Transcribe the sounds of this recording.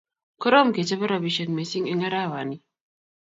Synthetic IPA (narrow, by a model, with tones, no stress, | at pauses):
kɔ˦ɾɔ˦m˨ke˨t͡ʃe˦βe˦ɾa˨bi˨ʃe˨n˨me˨si˦ŋe˦ŋa˦ɾa˦˨wa˨ni˦